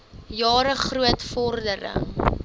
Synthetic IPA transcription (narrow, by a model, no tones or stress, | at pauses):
jɑːɾəχruətfɔrdəɾə̰ŋ